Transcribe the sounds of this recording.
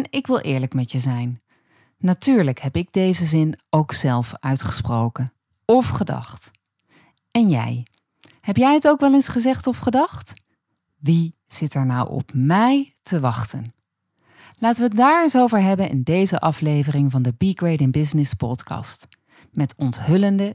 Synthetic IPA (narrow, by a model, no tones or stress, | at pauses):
nɪkʋɪlˠʔɪ̰ːɹləkmɛtəzɛjnː | atyːɹləkɦɛpɪɡ̚dejzəzɪnowksɛlˠfœɥtχə̥sprowkən | ɔfχədɑ̰χt | ɛnjɛ̰j | hɛpjɛjətowkʋɛlensχəzɛχtɔfχədɑχt | ʋi | z̥ɪtɛɹnɑwɔ̰pmɛjtəʋɑχtə̰n | laːtəʋədaːɹɪsowvəɹɦɛbənʔɪ̰ndejzəʔɑflejvərɪŋvɑndəbiɡɹejdɪnbɪznɪspɔ̰tkɑ̰st | mɛtɔntɦɵləndə